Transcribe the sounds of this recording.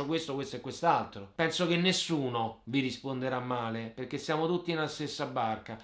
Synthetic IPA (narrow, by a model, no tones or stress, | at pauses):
okwest̪okwest̪oɛkːwest̪alt̪ɾopɛnsok̟enːesːuːnoviɾispond̪eɾamːaːleperk̟ːesːjaːmot̪ut̪ːinelast̪esːabːarka